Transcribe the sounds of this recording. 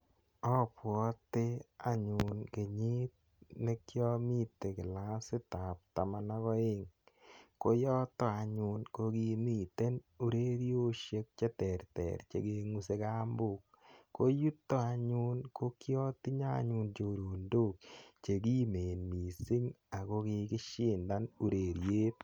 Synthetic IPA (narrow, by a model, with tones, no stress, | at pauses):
ɔ˦pwɔ˨˦t̪ɪ˦a˦ɲʊ˨nke˨ɲɪ˦t̚ | ne˦kjɔ˦mi˦t̪ːe˨kɪ˨la˦sɪ˦ta˨p̚t̪a˨ma˨na˦kɔ˦ɪ˦ŋ | ko˦jɔ˦t̪ɔ˦a˨ɲʊ˦nko˦ɡi˦mi˦˨t̪e˦nu˦ɾe˦ɾjo˦ʃje˦k̚t͡ʃe˦tɛ˨ɾtɛ̰˨ɾt͡ʃḛ˦ɡe˦ŋu˦se˦ka˦mbʊ˨k̚ | kːo˦ju˦tːɔ˦a˨ɲʊ˦nko˦kjɔ˦tɪ˦ɲa˦ɲʊ˦nt͡ʃo˨ɾo˨ndo˦˨k̚t͡ʃe˨ɡi˦me˨nmi˨si˦ŋ | a˨ko˦kɪ˧kɪ˦ʃɪ˦nda˦nu˦ɾe˨ɾjeː˦t